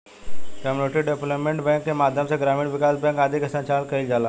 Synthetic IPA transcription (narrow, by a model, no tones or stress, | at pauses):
kəmuneʈiɖepləpmẽɳʈbɛ̃ːŋkːemaːd̪ʱjəmsẽɡɾaːmiːɽʋɪkaːsbɛ̃ːŋkaːd̪ʱikɐsãt͡ʃaːlkɐɾild͡ʒaːlaː